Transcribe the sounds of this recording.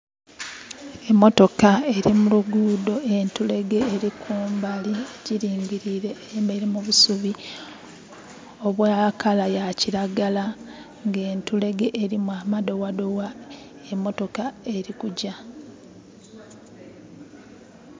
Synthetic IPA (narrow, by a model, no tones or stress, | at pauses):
e̞mːo̞to̞kae̞ɾimuluɡuːdo̞ʔentule̞ɡe̞ːɾikʰuːmbalieciɾiːɲɟiɾiɾe̞ːjemeiɾemuβusuβi | o̞βwaːkalajaciɾaɡala | ŋɡe̞ːntule̞ɡe̞ʔːɾimwamado̞wadowa | emːo̞to̞kae̞ɾikuɟa